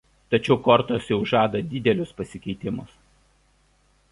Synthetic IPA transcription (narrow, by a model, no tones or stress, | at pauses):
t̪ɐt͡ʃʲɛʊkɔɾt̪osjɛʊʒɑːd̪ɐd̪ʲɪd̪ʲɛlʲʊspɐsʲɪkʲɛɪt̪ʲɪmʊs